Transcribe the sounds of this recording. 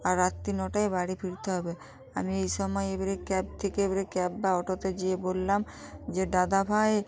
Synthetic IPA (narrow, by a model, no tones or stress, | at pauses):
aɾːat̪ːinɔʈaebaɽifʰiɾt̪eɦɔbe | a̰miejʃɔmɔeebaɾekɛb̚t̪ʰekeebaɾekɛbbaɔʈot̪ed͡ʑiebolːam | d͡ʑeɖad̪abʰʱae